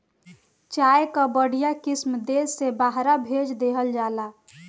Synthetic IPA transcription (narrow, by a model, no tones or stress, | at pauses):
t͡ʃajkəbəɽ̤ijakismd̪esːebaɦɾabʱed͡ʒd̪eɦəld͡ʒala